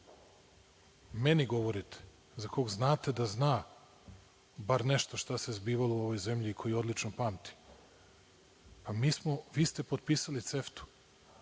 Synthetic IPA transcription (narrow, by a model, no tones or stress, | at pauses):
meniɡo̞ʋo̞ɾit̪ʰe̥ | zako̞ɡznaːt̪e̞d̪aznaː | baɾneʃt̪oʃt̪asezbiːʋalouo̞ʋojze̞mʎiːkʰo̞jio̞d̪lit͡ʃnopaːmt̪i̥ | pamiːsmo̞ʋiːst̪e̞pod̪piːsalit̪seft̪u̥